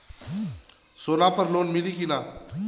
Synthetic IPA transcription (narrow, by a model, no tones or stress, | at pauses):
soːlaːpəɾloːnmɪlikinaː